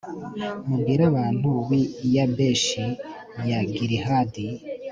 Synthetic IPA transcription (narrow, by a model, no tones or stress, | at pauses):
muɡiɾaβaːn̥huβijabeʃi | jaɡiɾiɦadi